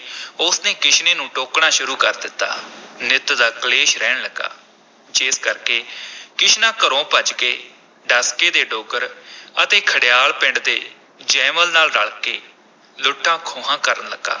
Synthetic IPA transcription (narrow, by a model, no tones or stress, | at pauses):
ʊsneːkɪt͡ʃʰneːnũːʈoːkɳãːʃʊɾuːkəɾd̪ɪt̪ːa̰ːnɪt̪d̪aːkəleːʃɾɛːɳləɡa̰ː | d͡ʒeːskəɾkeːkɪt͡ʃʰnãːkəɾõːpət͡ʃkeː | ɖəskeːd̪eːɖoːkəɾət̪eːkʰəɽɪjaːlpɪɳɖd̪eː | d͡ʒɛːməlnaːlɾəɭkeː | lʊʈʰːãːkʰoːɦãːkəɾənləɡa̰ː